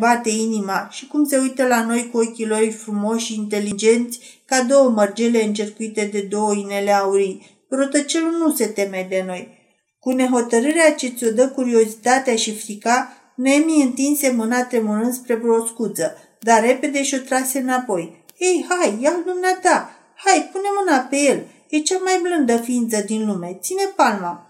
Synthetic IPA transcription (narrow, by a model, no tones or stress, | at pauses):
bat̪e̞inimaʃikumse̞ujt̪əlano̞jkuokʲilo̞rʲfɾumo̞ʃiːnt̪e̞lid͡ʒe̞nt̪sʲkad̪o̞wəmərd͡ʒele̞ɨnt͡ʃerkuit̪e̞d̪e̞d̪o̞wəine̞leauɾi | pɾot̪ət͡ʃe̞lunuse̞t̪e̞me̞d̪e̞no̞j | kune̞ɦo̞t̪əɾɨɾeat͡ʃesʲo̞d̪əkuɾio̞zit̪at̪eaʃifɾika | neemiɨnt̪inse̞mɨnat̪ɾe̞muɾɨnd̪spɾe̞bɾoskud̪zə | d̪arre̞pe̞d̪e̞ʃio̞t̪ɾase̞ɨnapo̞j | ejhajːawd̪umneat̪a | hajpune̞mɨnape̞je̞l | jet͡ʃamajblɨnd̪əfiint̪səd̪inlume̞t̪sine̞palma